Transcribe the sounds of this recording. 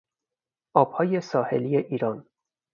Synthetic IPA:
ʔɒːb̥hɒːje̞sɒːhe̞̰liːeʔiːɾɒːn

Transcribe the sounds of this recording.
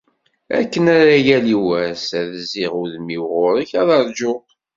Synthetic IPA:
æ̰kːənæɾæjæliwæsæðziʁʊðmiwʁʊɾəçæðɑɾˤd͡ʒʊ

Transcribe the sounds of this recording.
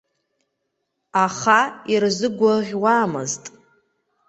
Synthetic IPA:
aχairzɨɡʷaʁʲwaːmɨ̰ztʼ

